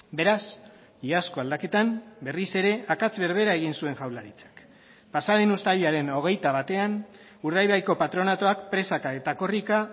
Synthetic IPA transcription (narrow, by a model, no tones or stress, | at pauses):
be̞ɾas | iasko̞ald̪ake̞t̪ambe̞rise̞ɾe̞akat͡sβe̞ɾβ̞e̞ɾae̞ɣ̞insue̞ŋʝawlaɾit͡sḁk | pasaðenust̪aliaɾe̞no̞ɣ̞e̞jt̪aβ̞at̪e̞an | uɾð̞ajβajko̞pat̪ɾo̞nat̪o̞akpɾe̞sakaet̪ako̞rika